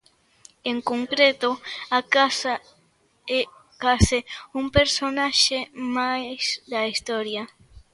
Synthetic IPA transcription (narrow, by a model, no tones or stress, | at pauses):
eŋkoŋkɾet̪oakasa | ɛ | kasɪumpeɾsonaʃemajsd̪aist̪oɾja